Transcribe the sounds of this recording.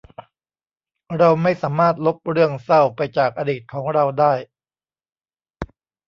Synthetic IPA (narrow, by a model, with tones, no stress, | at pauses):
ɾa˧wma˥˩jsaː˩˦maː˥˩t̪̚lo˦˥p̚ɾɯ˥˩əŋsa˥˩wpa˧jt͡ɕaː˨˩k̚ʔa˧diː˨˩t̪̚kʰɔː˩˦ŋɾa˧wdaː˥˩j